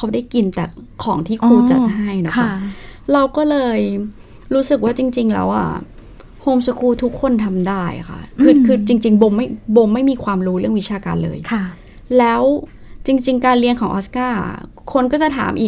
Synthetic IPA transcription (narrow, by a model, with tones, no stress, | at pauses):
a˦˥wda˥˩jki˧nt̪ɛː˨˩kʰɔː˩˦ŋt̪ʰiː˥˩kʰɾuː˧t͡ɕa̰˨˩t̪̚ɦa˥˩jnɔ˦˥kʰa˦˧˥ɾa˧wkɔː˥˩lɤː˧j | ɾuː˦˥sɯ˨˩k̚waː˥˩t͡ɕi˧ŋt͡ɕi˧ŋlɛ̰ː˦˥wʔa̰˨˩ | hoː˧msa˧kʰuː˧t̪ʰu˦˥kʰːo˧nt̪ʰa˧mdaː˥˩j̰kʰa̰˥˩kʰɯː˧kʰɯː˧t͡ɕi˧ŋt͡ɕi˧ŋbo˧mma˥˩jbo˧ŋma˥˩jmiː˧kʰwaː˧mɾuː˦˥ɾɯ˥˩əŋwi˦˥t͡ɕʰaː˧ka̰ː˧nlɤ̰ː˧jkʰa˥˩ | lɛː˦˥w | t͡ɕi˧ŋt͡ɕi˧ŋkaː˧nli˧nkʰɔː˩˦ŋʔɔː˦˥skaː˥˩ | kʰo˧nkɔː˥˩t͡ɕa˨˩t̪ʰa̰ː˩˦mʔiː˨˩k̚